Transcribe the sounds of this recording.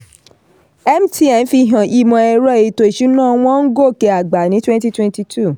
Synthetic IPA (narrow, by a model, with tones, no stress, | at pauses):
ɛ˦m˦ti˦ɛ˧˨n̩˦fi˧˨ɦã˨i˧mɔ̃˨ɛ˧ɾɔ˦e˧˨to˧i˨ʃu˨˦nãː˦˧w̃ɔ̃˦n̩˦ɡo˦˨kɛ˧a˨ɡ͡ba˨nĩ˨˦twɛ̃˦nti˦twɛ̃˧nti˧tʰu˦˨